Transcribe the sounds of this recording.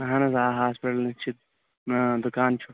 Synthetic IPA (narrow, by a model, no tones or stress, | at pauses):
ɐɦɐnɐzaːɦaːspiʈɐlnit͡ʃʰit̪̚ | d̪ʊkaːnt͡ʃʰu